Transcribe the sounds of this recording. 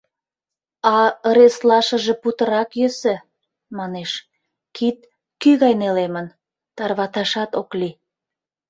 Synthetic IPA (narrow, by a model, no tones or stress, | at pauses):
ɑəɾeslɑʃə̆ʒĕput̪ə̆ɾɑkjøsə̆ | mɑneʃ | kit̪̚ | kyɣɑjnelemən | t̪ɑrβɑt̪ɑʃɑt̪okli